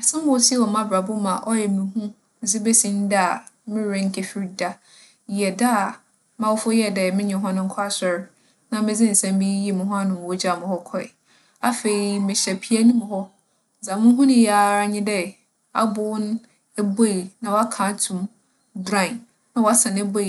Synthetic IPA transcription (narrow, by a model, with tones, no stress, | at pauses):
a˨sã˦m˦ʊ̃˨wsi˦ɛ˦wɔ˨mã˦bɾa˨bʊ˦mã˨ʔɔ˦jɛ˨mĩ˨ɦũ˦˨ | d͡zɪ˦be˦sĩ˦n˦da˨ | mɪ̃˦ɾẽ˦ŋ̩˦kʰe˨fi˦ɾda˦˨ | jɛ˨da˦˨ | mã˨wʊ˦fʊ˦jɛ˦dɛ˨mɪ̃˦ɲɛ̃˨ɦɔ̃˦nʊ̃˦ŋ̩˦kʰɔ˦a˦sɛ˨ɾ | nã˨mɪ̃˦d͡zɪ̃˦n̩˨sã˦m˦bĩ˦ji˦˨mʊ̃˨ɦʊ̃˦ã˦nʊ̃˨wɔ˦d͡ʑa˨mʊ̃˨hɔ˦kʰɔ˦˨ɪ̰˨ | a˦fe˨i˨mɪ̃˨ɕɛ˨pʰi˦a˦nʊ̃˦mʊ̃˨hɔ˦ | zã˨mʊ̃˦ɦũ˦nʊ̃˦ja˨˦ɲɪ̃˦dɛ˦ | a̰˦bʊ˦wʊ˦n˦ | ɛ˦bo˦˨i˨nã˨wɔ˨˦a˦kʰã˨˦tʰʊ̃˨m | dɾã˦˨ | nã˨wɔ˨a˦sã˨nɛ˦bo˦˨